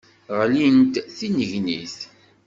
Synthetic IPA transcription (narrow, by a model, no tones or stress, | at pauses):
ʁlint̪θinəʝnḭθ